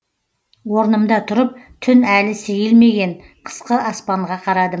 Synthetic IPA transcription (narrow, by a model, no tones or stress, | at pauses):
wo̞ɾnəmd̪ɑt̪ʰʊɾəp̚t̪ʰʏnælɪsejɪlme̞ɡʲe̞ɴ | qʰə̥sqəʔɑspɑɴʁɑqʰɑɾɑd̪ə